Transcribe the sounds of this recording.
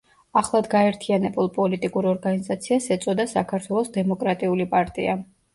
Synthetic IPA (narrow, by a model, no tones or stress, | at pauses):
aχlˠad̪ɡaɛɾt̪ʰianɛbulˠpʼɔlit̪ʼikʼuɾɔɾɡanizat̪sʰiasɛt̪sʼɔd̪asakʰaɾt̪ʰwɛlˠɔsd̪ɛmɔkʼɾat̪ʼiulipʼaɾt̪ʼḭa